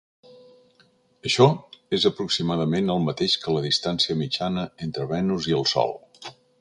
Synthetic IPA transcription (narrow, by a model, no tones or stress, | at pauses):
əʃɔezəpɾuksimaðəmenəlˠmət̪eʃkələðist̪ansiəmit͡ʃanəent̪ɾəβɛnuziəlˠsɔ̰lˠ